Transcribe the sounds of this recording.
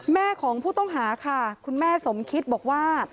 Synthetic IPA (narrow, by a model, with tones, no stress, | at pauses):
mɛː˥˩kʰɔː˩˦ŋpʰuː˥˩t̪ɔ˥˩ŋɦaː˩˦kʰa˥˩kʰu˧nmɛː˥˩so˩˦mkʰi˦˥t̪̚bɔː˨˩k̚waː˥˩